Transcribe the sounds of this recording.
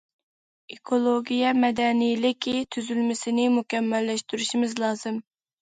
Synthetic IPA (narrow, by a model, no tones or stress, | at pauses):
ekʰolˠoɡʲijɛmɛd̪ɛnijlɪkʲt̪ʰyzylmɪsɪnɪmukʲɛmːɛlːɛʃt̪yɾyʃimɪzlˠɑːzɨm